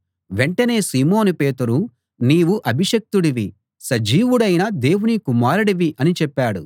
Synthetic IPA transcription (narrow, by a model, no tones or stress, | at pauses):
ʋe̞ɳʈɐne̞ːsiːmoːnupe̞ːt̪uɾu | niːʋuʔɐbʱiʂɐk̚t̪uɽiʋi | sɐd͡ʒiːʋuɽɐjnɐd̪e̞ːwunikumaːɾɐɽɐʋiʔɐnit͡ʃɛpːaːɽṵ